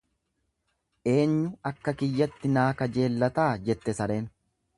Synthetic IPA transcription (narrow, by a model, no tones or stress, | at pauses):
ʔe̞ːɲːʊɐkːɐkɪjːɐt̪ːɪnaːkɐd͡ʒe̞ːlːɐt̪aːd͡ʒɛt̪ːɛsɐɾeːn